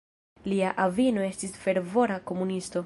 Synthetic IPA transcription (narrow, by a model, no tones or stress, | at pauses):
liaʔavino̞e̞stisfe̞ɾvo̞ɾako̞munisto̞